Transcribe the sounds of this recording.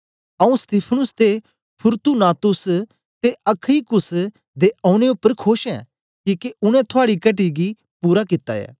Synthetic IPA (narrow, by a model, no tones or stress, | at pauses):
ɐũst̪ɪpʰənʊst̪e | pʰʊɾt̪unaːt̪ʊs | t̪eɐkʰikʊs | d̪eʔɐ̃ːʊɽ̃eʊpːəɾkʰoːʃɛ̰̃ː | kiːkeʊñɛ̃t̪ʰʊaːɽikɐʈiɡi | puːɾakɪt̪ːa̰ɛ̰ː